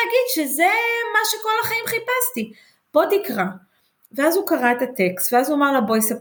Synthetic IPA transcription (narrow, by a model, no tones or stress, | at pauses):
ɡidʃezemaʃeko̞laχaimχipasti | b̥o̞dikʁa | veazukaʁaetat̪e̞kst̪veazuamaʁlabojsap